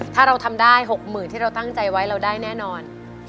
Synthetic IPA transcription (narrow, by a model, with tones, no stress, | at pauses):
t̪ʰaː˥˩ɾa˧wt̪ʰa˧mdaː˥˩jɦo˨˩k̚mɯː˨˩nt̪ʰiː˥˩ɾa˧wt̪a˥˩ŋt͡ɕa˧jwa˦˥jɾa˧wdaː˥˩jnɛː˥˩nɔː˧n